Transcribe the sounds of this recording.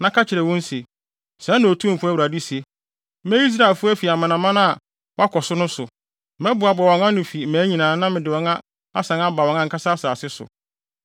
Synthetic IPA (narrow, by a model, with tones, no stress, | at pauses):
nã˦kʰa˦t͡ɕʰɪ˨ɾɛ˨wɔ̃˦n˦se˨ | sɛ̃˨˦nã˨o˨tʰũ˦˨fʊ˦a˦˨u˨ɾa˨di˦si˨e˦ | mɛ̃˦i˦s̬ɾa˨e˨lfʊ˦æ˦fi˨a˨mã˨nã˨mã˦nã˦a˨ | wa˦kʰɔ˨sʊ˦nʊ̃˦sʊ˨ | mɛ̃˦bʊ˨a˨bwɔ̃˨ŋã˦nʊ̃˨fi˨mæ̃ː˨˦ɲĩ˨nãː˨nã˦mɪ̃˨dɪ˨wɔ̃˨˦ŋã˦ | a˦sã˨na˦ba˨wɔ̃˨ŋã˦ŋ̩˨kʰa˦sa˦a˦saː˨sɪ˦sʊ̰˨